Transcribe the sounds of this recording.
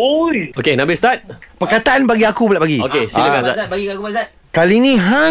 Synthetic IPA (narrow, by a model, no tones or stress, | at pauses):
ojokenãbɪst̪at̪̚pəkat̪aʔanbaɡiakubulaʔpaɡiokesiləkãsa̰tbaɡiakusa | kalinĩɦa